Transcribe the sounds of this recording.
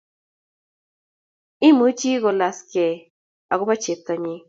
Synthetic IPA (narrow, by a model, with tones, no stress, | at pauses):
i˦mɨ̃˧˦t͡ʃi˦ɣo˧la˨ske˨ | a˨ɣu˦βa˦t͡ʃe˨t̪a˧ɲĩ˧